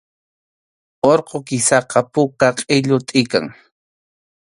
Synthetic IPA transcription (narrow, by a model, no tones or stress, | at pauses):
oɾqokɪsɑqɑpʊkaqʼɪʎʊt̪ʼɪka̰ŋ